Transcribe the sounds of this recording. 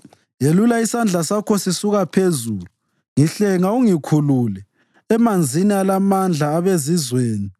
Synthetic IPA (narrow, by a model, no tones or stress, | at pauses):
jelulaisand͡ɮʱasakʰɔsisuɣapʰezuːlu | ŋiɬɛŋauŋikʰululɛ | ɛmand͡zʱinialamand͡ɮʱaːβezizweːni